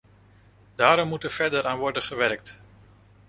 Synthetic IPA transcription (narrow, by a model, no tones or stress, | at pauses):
daːɾɔmːutəɹv̥ɛɹdəɾaːnʋɔɹdəχəʋɛɾɹk̚t